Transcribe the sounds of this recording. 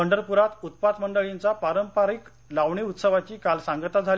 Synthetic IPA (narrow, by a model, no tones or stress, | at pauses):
əɳɖəɾpuɾat̪ut̪̚pat̪məɳɖəɭint͡sapaɾəmpaɾik | laʋɳiut̪səʋat͡ɕiːkalsaŋɡət̪ad͡zʱal